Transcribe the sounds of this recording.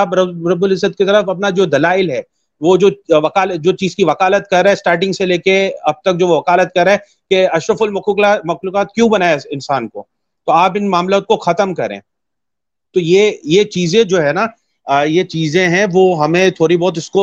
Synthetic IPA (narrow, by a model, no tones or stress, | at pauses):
abɾɐɾɐbʊlɪzət̪̚kit̪ɐɾəfɐp̬nad͡ʒoːd̪ɐlaːɪlɦɛː | ʋod͡ʒoːʋɐkaːləd͡ʒoːt͡ʃiːzkiʋɐkaːlət̪̚kɐɾːeɛ̃ːsʈaːɾʈɪ̃ŋɡseleːkeɐb̚t̪ɐk̚d͡ʒoːʋoʋɐkaːlət̪̚kɐɾːeɛ | keɐʃɾəfʊlmɐkamɐxluːkaːt̪̚kjũbɐnaːeɪnsaːnko̰ː | t̪oaːp̬ɪnmaːmlaːt̪̚koxɐt̪əmkɐɾḛ̃ː | t̪oːjejet͡ʃiːzẽd͡ʒoːɦɛːna | jet͡ʃiːzẽɦɛ̃ʋoɦɐmẽt̪ʰoːɾibɔːt̪̬ɪsko